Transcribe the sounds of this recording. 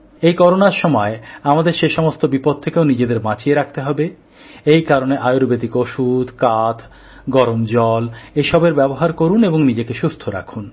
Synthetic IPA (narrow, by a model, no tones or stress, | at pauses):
ejkɔɾonaɾʃɔmɔeamad̪eɾʃeʃɔmost̪obipod̪̚t̪ʰekeonid͡ʑed̪eɾmãt͡ɕieɾak̚t̪eɦɔbe | ejkaɾoneʔajoɾbed̪ikoʃud̪kat̪ʰ | ɡɔɾomd͡ʑɔleʃɔbeɾbɛboɦaɾkoɾuneboŋnid͡ʑekeʃust̪ʰoɾa̰kʰun